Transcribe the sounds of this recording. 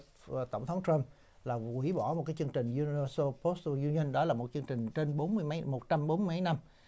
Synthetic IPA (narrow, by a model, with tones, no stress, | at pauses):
t̪ə˧˩wŋ͡mt̪ʰə˨˦wŋ͡mt̪ɹa˧m | laː˨˩kwi˧˩˦ɓɔ˧˩mo˨˩kaː˨˦jt͡ɕɨ˧əŋt͡ɕï˨˩ŋ̟zu˧ni˧və˧so˧po˦˥st̪o˧zu˧ni˧nɗɔ˨˦laː˨˩mo˨˩t̚t͡ɕɨ˧əŋt͡ɕï˨˩ŋ̟t͡ɕe˧nɓo˨˦nmɨ˧əjma˨˦jmo˨˩t̚t͡ɕa˧mɓo˨˦nm˧jma˨˦jna˧m